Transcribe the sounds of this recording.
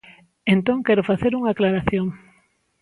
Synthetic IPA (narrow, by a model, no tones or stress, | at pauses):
ent̪õŋkɛɾʊfaθeɾuŋaklaɾaθjoŋ